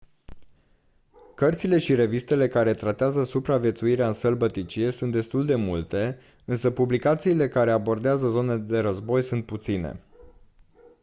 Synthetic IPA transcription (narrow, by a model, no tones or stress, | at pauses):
kərt̪sile̞ʃiɾe̞vist̪e̞le̞kaɾe̞t̪ɾat̪eazəsupɾavʲje̞t̪suiɾeaɨnsəlbət̪it͡ʃie̞sunt̪̚d̪est̪uld̪e̞mult̪e̞ | ɨnsəpublikat̪siːle̞kaɾe̞abo̞rd̪eazəzo̞ned̪e̞ɾəzbo̞jsunt̪̚put̪sine̞̰